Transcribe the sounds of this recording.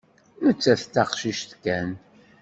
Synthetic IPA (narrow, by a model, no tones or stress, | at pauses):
mət͡sːæθt̪ɑqʃiʃt̪kːæn